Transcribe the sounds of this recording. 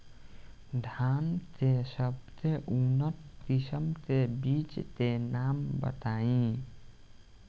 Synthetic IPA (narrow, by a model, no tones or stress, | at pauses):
ɖʱaːnt̪esəb̚t̪eʔunət̪tisəmt̪ebit͡ʃt̪enaːmbə̰t̪aːĩ